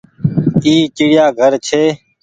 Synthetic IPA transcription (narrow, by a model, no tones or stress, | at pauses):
iːt͡ʃɪɽɪjaːɡʱəɾt͡ʃʰeː